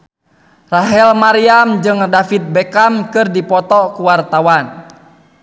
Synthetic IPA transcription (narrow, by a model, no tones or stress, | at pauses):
raɦɛlmaɾiamd͡ʒɨŋdafit̪̚bɛkamkɨrdipɔt̪ɔkuwart̪awan